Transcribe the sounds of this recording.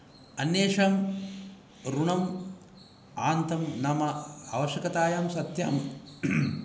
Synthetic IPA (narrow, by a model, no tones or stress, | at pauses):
ɐnjeːʂaːm | ɾuɳɐm | aːnt̪ɐmnɐmɐa̰ːʋɐʃjɐkɐt̪aːjaːmsɐt̪ja̰ːm